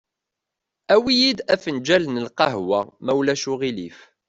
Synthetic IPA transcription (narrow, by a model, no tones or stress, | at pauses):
æwijid̪æfənd͡ʒælənəlqɑɦwæ̰mæwlæʃuʁilif